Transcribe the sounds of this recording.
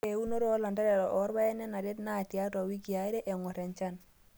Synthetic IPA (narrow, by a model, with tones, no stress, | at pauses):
e˨u˦no˦ɾo˦la˨nda˦ɾɛ˨ʔɔ˨˦ɾba˦ɛ˦nɛ˦na˨ɾe˦tna˦˨ti˨a˦ta˨wi˦ki˨a˨˦i˦ɾe˦ʔɛ˨ŋɔ˨ɾɛ˨nt͡ʃa˦˨n